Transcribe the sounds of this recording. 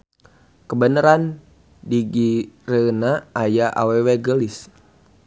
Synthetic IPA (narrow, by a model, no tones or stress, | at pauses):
kəbənəɾan | diɡirənaajaʔa̰weweɡəlis